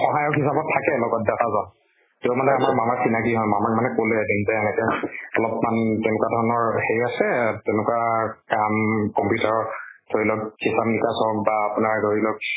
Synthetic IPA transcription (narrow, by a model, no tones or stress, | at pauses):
xɔɦajɔkɦisabɔtʰːakɛlɔɡɔt̚datazɔn | temanɛamaɹmamaɹsinakiɦɔjmamak̚manɛkoledinzɛɛnɛkɛɔlɔpmantɛnʊkwadʱɔɹɔnɔɹhejasɛtɛnʊkwakamkɔmpitɔɹtʰoɹilɔk̚kisamnikasɔk̚baːpʊnaɹɡʱoɹilɔk̚